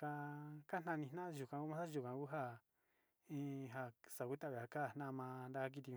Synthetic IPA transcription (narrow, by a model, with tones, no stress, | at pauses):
ka˧ka˦nã˧nĩ˧nã˦˧ʒu˧kã˧ku˦mã˦a˦ʒu˨kã˧ku˦ɦa˦˨ | ĩ˦ɦa˧sa˨ku˦t̪a˦˨βe˨ha˨ka˦˨n̥nã˦˧mã˧nd̪a˧ka˦k̬i˧t̪ĩ˧